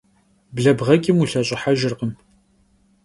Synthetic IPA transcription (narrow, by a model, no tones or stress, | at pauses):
bɮɐbʁɐɡʲʼɪmuɬɐɕʼɪħaʒɪrqəm